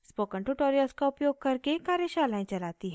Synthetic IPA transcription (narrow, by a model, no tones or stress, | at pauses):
spoːkə̃ɳʈuʈoːɾijəlskaʊpjoːɡ̚kɐɾkekaːɾjəʃaːlaːẽt͡ʃɐlaːt̪iɦ